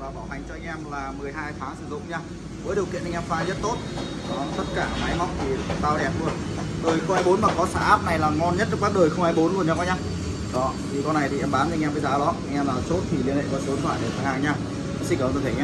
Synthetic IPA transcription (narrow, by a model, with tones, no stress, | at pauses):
vaː˨˩ɓaː˧˩wɦa˨˩ŋ̟t͡ɕɔ˧ʔa˧ŋ̟ʔɛ˧mlaː˨˩mɨ˨˩əjɦaː˧jt̪ʰaː˨˦ŋsɨ˧˩zʊ̰˧˨ŋ͡mɲaː˧ | vəː˨˦jɗi˨˩kḭ˧˨nʔŋ̟ʔɛ˧mfaː˨˦zə˦˥t̚t̪o˦˥t̚ | zɔ˧ɔ˧˨ɔ˨˦˨t̪ə˦˥t̚kaː˧˩maː˨˦jmɔ˦˥wŋ͡m̚t̪ʰi˨˩t̪aː˧wɗɛ˧˩nmu˧˩ənɗəː˨˩jxə˧ŋ͡mhaː˧jɓo˨˦nmaː˨˩kɔ˨˦sa̰ː˧˩ʔaː˦˥p̚na˨˩jlaː˨˩ŋɔ˧nɲə˦˥t̚t͡ɕɨ˦˥kɓaː˦˥k̚ɗəː˨˩jxə˧wŋ͡mʔaː˧jɓo˨˦nlu˧˨˩əɲa˧kɔ˧˦ɲaː˧ | ɗɔ˨˦t̪ʰi˨˩kɔ˧nːa˨˩jt̪ʰi˨˩ʔɛ˧mɓaː˨˦n˧ŋʔɛ˧mvəː˨˦jzaː˨˦ɗɔ˨˦ʔa˧jŋʔɛ˧mlaː˨˩t͡ɕo˦˥t̚t̪ʰi˨˩li˧ənhḛ˧˨kɔ˨˦so˨˦ə˦t̪ʰwa̰ː˧˨jɗe˧˩fʰaː˨˩haː˧ŋɲaː˧ | ʔɛ˧˦msi˧kaː˨˩˨t̪ʰːɛ˧